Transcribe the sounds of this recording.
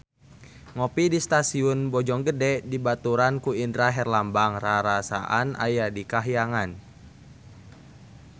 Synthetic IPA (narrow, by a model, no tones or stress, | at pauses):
ŋɔpidist̪asiʊnbɔd͡ʒɔŋɡədɛdibat̪uɾankuindɾaɦɛrlambaŋraɾasa̰ʔana̰jadikaɦijaŋan